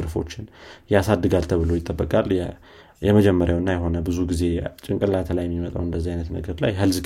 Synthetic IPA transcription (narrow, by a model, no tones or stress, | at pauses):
ɨɾfo̞̰t͡ʃːɪnjasad̪ːɨɡalt̪ʰəβɨlo̞jɪt̪ʼːəbːəkʼal | jɛməd͡ʒɛmːəɾjawɨnːajɛɦo̞nəbɨzuɡize̞t͡ʃʼɪŋkʼɨlat̪ʰəlajɛmːimət̪ʼa̰wɨnd̪əzːihajnət̪nə̰ɡəɾla̰jɦəlz